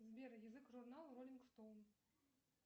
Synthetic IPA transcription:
zbʲeɾəjəzɨkʐurnalˠrolʲinkst̪owm

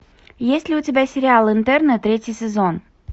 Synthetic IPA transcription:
jesʲtʲlʲɪʊtʲɪbʲæsʲɪɾʲɪalˠɨnt̪ɛrnət̪ɾʲetʲɪjsʲɪzon

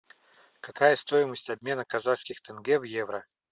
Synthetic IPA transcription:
kɐkajəst̪o̞jɪməsʲtʲɐbʲmʲe̞nəkɐzaskʲɪxt̪ɛnɡɛvjevɾə

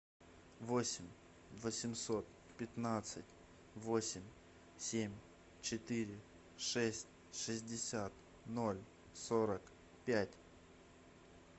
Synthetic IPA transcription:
vosʲɪmʲ | vəsʲɪmso̞t̪̚ | pʲɪt̪nat̪sɨt̚ʲ | vosʲɪmʲ | sʲemʲ | t͡ɕɪt̪iɾʲɪ | ʂɛsʲtʲ | ʂɨzʲdʲɪsʲat̪ | no̞lʲ | soɾək | pʲætʲ

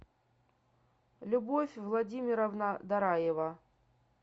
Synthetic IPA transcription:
lʲʊbofʲvlˠɐdʲimʲɪɾɐvnad̪ɐɾajevɐ

